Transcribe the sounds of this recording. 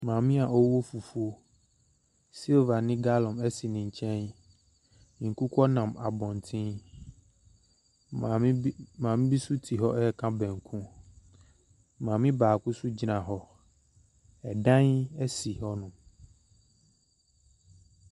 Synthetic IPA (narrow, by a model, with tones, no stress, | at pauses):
mãː˨mɪ̃˦a˨ʔɔ˦wo˦fu˨fu˦o˦ | si˦lva˨nɪ̃˦ɡa˦lɔ̃˨mɛ˦si˨nɪ̃˨ɲ˨t͡ɕʰɛ̃˦n | nĩ˨ŋ̩˨kũ˦kʰɔ˦nã˨ma˨bɔ̃˨n˨tʰɪ̃˦n | a˨˦mãː˨mɪ̃˦bi˦su˦tʰi˨ɦɔ˦ɛ˦˨kʰã˦bɛ̃˨ŋ˨kʰũ˦ | mãː˨mɪ̃˦baː˨kʊ˦sʊ˦d͡ʑi˨nã˨ɦɔ˦ | ɛ˨dã˦nɛ˦si˨ɦɔ˦nʊ̃˨